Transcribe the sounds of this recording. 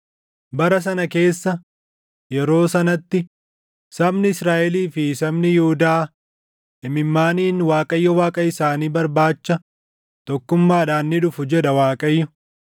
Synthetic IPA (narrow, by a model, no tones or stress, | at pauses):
bɐɾɐs̬ɐnɐke̞ːsːɐ | jɛɾo̞ːsɐnɐt̪ːɪ | sɐbnɪɪsɾaːʔɛliːfɪsɐmnɪjʊhʊd̪aː | ɪmɪmːaːniːnwaːkʼɐjːɔwaːkʼɐɪsaːniːbɐɾbaːt͡ʃːɐ | t̪ɔkːʊmːaːᶑaːnːɪᶑʊfʊd͡ʒɛᶑɐwaːkʼɐjːɔ